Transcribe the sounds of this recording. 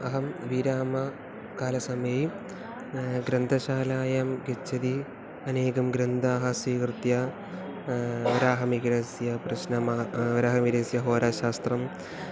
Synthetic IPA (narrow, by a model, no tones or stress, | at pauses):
ɐɦɐmʋiɾaːmɐ | kaːlɐsɐmeːi | ɡɾɐnd̪ʱɐɕaːlaːjɐmɡɐt͡ɕːɐði | ɐneːɣɐmɡɾɐnd̪ʱaːɦɐsiːkrɨt̪jɐ | ʋɐɾaːɦɐmiɣɾɐsjɐprɐɕnɐmaːʋɐɾaːɦɐmiɾɐːsjɐɦoːɾaːɕaːst̪rɐm